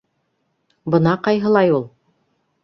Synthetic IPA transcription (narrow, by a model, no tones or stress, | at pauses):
bɤ̆nɑqɑjɦɤ̆lˠɑjulˠ